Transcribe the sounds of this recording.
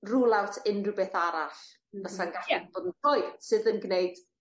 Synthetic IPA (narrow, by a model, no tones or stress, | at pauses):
rulˠawtʰɪnrɨbeθaɾaɬ | ðasanɡaɬɛboːdənfoɨd̥sɨðənɡneɨd̥